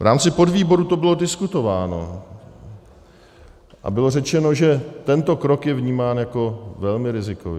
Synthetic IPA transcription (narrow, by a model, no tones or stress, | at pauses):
vɾʔaːmt͡sɪpodviːbo̞ɾut̪o̞bɪlo̞dɪskut̪o̞vaːno̞̰ | ʔa̰bɪlo̞rɛt͡ʃɛno̞ʒɛt̪ɛnt̪o̞kɾo̞kjɛvɲiːmaːnjako̞vɛlmɪɾɪzɪko̰v̰